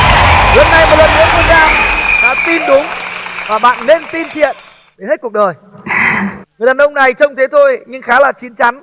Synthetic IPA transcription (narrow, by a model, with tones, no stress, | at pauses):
lɨ˨˩nːa˨˩jmo˨˩lə˨˩nnɨ̰˧˥t̪ʰu˧˩zaː˧wɗa̰ː˧˥t̪i˧nɗʊ˨˦ŋ͡mvaː˨˩ɓa̰ː˧˨nːe˧nt̪i˧nt̪ʰḭ˧˨ən | ɗe˨˦nhe˦˥t̚ku˨˩k̚ɗəː˨˩j | ŋɨ˨˩ələː˨˩nʔə˧wŋ͡mna˨˩jt͡ɕə˧wŋ͡mt̪ʰe˨˦t̪ʰo˧jɲɨ˧ŋxaː˨˦laː˨˩t͡ɕi˨˦ənt͡ɕa˨˦n